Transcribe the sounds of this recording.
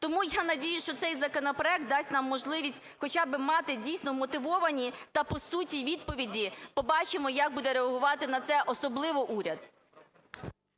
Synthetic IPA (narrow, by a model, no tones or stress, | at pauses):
t̪ɔmujanɐdʲijʊʃt͡ʃɔt̪sɛjzɐkɔnɔpɾɔɛk̚t̪̚d̪ɑsʲtʲnɑmːɔʒlˠɪʋʲisʲtʲxɔt͡ʃabɪmɑt̪ɪdʲijsʲnɔmɔt̪ɪʋɔʋɐnʲit̪ɐpɔsutʲiʋʲid̪̚pɔʋʲidʲipɔbɑt͡ʃɪmɔjɐɡ̚bud̪ɛɾeɐɦʊʋɑt̪ɪnɐt̪sɛʔɔsɔblˠɪʋɔʔuɾʲɐd̪